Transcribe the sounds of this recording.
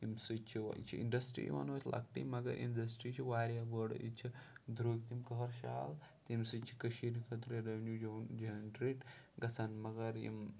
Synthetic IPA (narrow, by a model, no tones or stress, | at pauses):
imsɨt͡ʃʰḭt͡ʃʰiḭɳɖɐsʈɾḭjʋa̰not̪ʰʲlʔɐ̰kʈḭmɐɡɐ̰ɾʔḭnɖɐsʈɾit͡ʃʰiʋaːɾjaʋəɽ̰ḭt͡ʃʰid̪ɾoːɡt̪imkɐɦɐɾʃa̰ːlt̪imsɨt͡ʃʰi̥kɐʃiɾikʰɐt̪ɾeɾɐʋnjuːd͡ʒɐd͡ʒɐnɖɾeːʈ | ɡɐsɐnmɐɡɐɾjḭm